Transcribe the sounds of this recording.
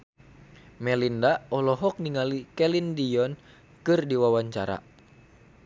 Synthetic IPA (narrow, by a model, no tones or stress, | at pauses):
mɛlindaɔlɔɦɔk̚niŋalikɛlindijɔn | kɨrdiwawaɲt͡ʃaɾa̰